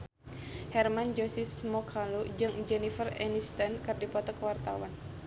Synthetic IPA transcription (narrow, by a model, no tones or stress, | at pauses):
hɛrmand͡ʒɔsismɔkʰalud͡ʒɨŋd͡ʒɛnifərɛ̰nist̪ankɨrdipɔt̪ɔkwart̪a̰wan